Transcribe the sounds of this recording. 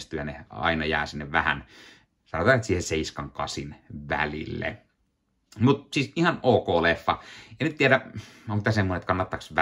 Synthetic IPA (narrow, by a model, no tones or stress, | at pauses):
st̪yjɑneɑ̰ˑinɑjæ̰ːsinːeʋʋæhæ̰n | sɑnot̪ɑːet̪siːheseiskɑŋkɑsinʋæ̰lḭlːḛ | mut̪siːˑsihɑnoːkoːlefːɑɑnyt̪t̪ieɾæoŋkit̪æsemːonet̪kɑnːɑt̪ːɑksʋæ